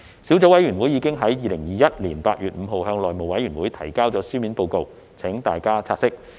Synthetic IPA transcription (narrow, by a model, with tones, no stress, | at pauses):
siː˨˥wt͡so˨˥wɐ˨˥jɥyː˨˩nwuː˨˥jːiː˧kɪ˥ŋɦɐ˨˥jːiː˨˧lɪ˨˩ŋjiː˨jɐ˥t̚liː˨˩npaː˧t̚jyː˨t̚m̩˨˧ɦo˨˧whœː˧ŋlɔː˨jmo˨wɐ˨˥jɥyː˨˩nwuː˨˥jt̪ʰɐ˨˩jkaː˥wt͡sɔː˨˥syː˥miː˨˥npo˧wko˧w | t͡sʰɛ˨˥ŋt̪aː˨jkaː˥t͡sʰaː˧t̚sɪ˥k̚